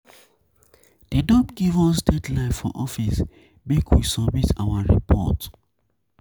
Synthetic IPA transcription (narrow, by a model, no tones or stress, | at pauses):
d̥edɔpɡivɔsdɛdlaɪffɔʔɔfis | bikʰwisɔmitʰa̰waɹḭpʰɔ̰t